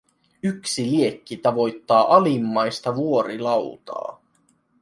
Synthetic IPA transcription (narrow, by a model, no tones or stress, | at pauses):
yksilie̞kːit̪ɑʋo̞jt̪ːɑːʔɑlimːɑjst̪ɑʋuo̞ɾilɑwt̪ɑ̰ː